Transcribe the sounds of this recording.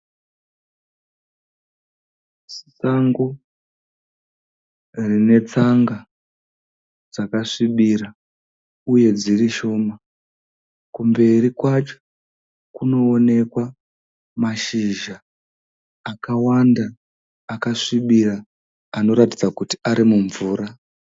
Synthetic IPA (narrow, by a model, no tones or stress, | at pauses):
ssaŋɡo | rine̞t͡saŋɡa | d͡zakaʂiɓiɾa | uje̞d͡ziriʃo̞ːma | kumbe̞rikwat͡ʃo̥ | kuno̞ːne̞kwa | maʃiʒaː | kawandaː | kaʂiɓiraː | no̞ɾatid͡zakuti̥aɾimuɱvuːɾa